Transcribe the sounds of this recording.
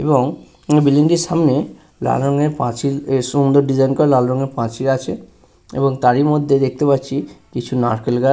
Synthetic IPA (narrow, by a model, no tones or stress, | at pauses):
eboŋ | biliŋɖiɾʃamne | la̰lɾɔŋeɾpãt͡ɕiɾsund̪oɾɖizajnkɔɾelalɾɔŋeɾpãt͡ɕiɾat͡ɕʰe | ḛboŋt̪aɾimod̪ʱːed̪ek̚ʰt̪epatːɕʰikit͡ɕʰunaɾkelɡa